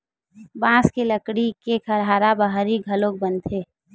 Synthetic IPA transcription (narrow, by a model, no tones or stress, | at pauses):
bãːskeləkɽikekʰəɾɦaːɾabəɦɾiɡʱəlok̚bənt̪ʰeː